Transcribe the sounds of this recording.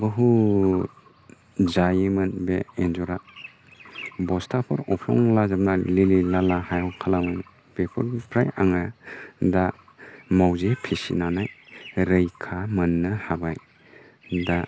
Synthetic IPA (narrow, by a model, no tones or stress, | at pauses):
bɯɦu | d͡ʒajemɐnbeenzɔɾa | bɔstʰapʰɯɾɔpʰɔ̰ŋlazablalililalahajɔkʰalamɔŋ | b̥epʰɔɾpʰɾajaŋada | mawzepʰesḭnanajɾɯjkʰamɯnːɯhabaj | da